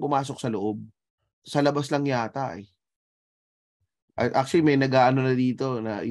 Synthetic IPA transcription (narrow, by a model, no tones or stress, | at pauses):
pʊmaːsok̚sɐloʔob̚ | sɐlɐbaslɐŋjaːt̪aʔɛ | ʔɐt̪ʔak̚ʃʊlɪmɐjnɐɡaːʔɐno̞nɐd̪iːt̪o̞nɐ